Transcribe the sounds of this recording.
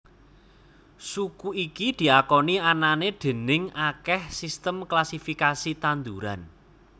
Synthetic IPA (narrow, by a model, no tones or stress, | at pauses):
sukuikid̪̥i̤akɔniananeɖ̪̥e̤nɪŋakɛhsist̪əmklasifikasit̪and̪uɾa̰n